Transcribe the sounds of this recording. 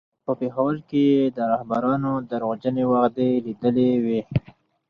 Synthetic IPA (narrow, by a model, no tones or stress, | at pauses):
pəpexawəlkeed̪əɾahbaɾɑnod̪əɾod͡ʒənewaxd̪elid̪əlewe